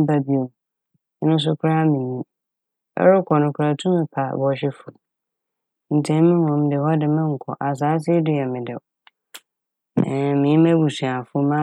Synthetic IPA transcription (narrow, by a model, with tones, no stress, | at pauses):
ba˦bi˦o˨˦ | nʊ̃˦s̬ʊ˦kʰɾa˦mĩ˨ɲĩ˦ | ɛ̰˦ɾʊ˦kʰɔ˨nʊ̃˨kʰʊ˨ɾa˨tʰũ˦mɪ̃˨pʰa˨bɔ˨ɕ̬ɪ˦fʊ˨ | n̩˨tʰɛ̃˦m˦mɪ̃˦mɔ̃˨m˦dɪ˨hɔ˦dɪ˨mɪ̃˦ŋ̩˨kʰɔ̰˨ʔa˨s̬aː˨˦s̬ɪ˦dʊ˦jɛ˨mɪ̃˨dɪ˨ | mɪ̃˨ĩ˦mɛ̃˦bu˨su˨a˨fʊ˦mã˦